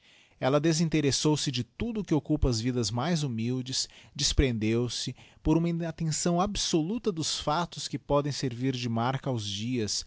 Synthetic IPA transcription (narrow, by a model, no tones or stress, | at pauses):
ɛlɐd̪ezĩt̪eɾesowsɪd͡ʒɪt̪ud̪ʊːkɪokupɐɐzvid̪ɐzmajzumiwd͡ʒɪsd͡ʒɪspɾẽnd̪ewsɪpoɾũmɐĩat̪ẽsɐ̃w̃absolut̪ɐd̪ʊsfat̪ʊskɪpɔd̪ẽj̃seɾviɾd͡ʒɪmaɾkɐawzd͡ʒiɐs